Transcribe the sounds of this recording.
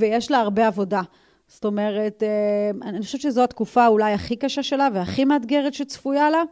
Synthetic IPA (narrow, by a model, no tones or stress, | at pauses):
vejeʃlaaʁbe̞avo̞da | sto̞me̞ʁetananixoʃevtt͡ʃezoat̪kufaulajaχikaʃaʃe̞laveaχimadɡe̞ʁetʃet͡sfujala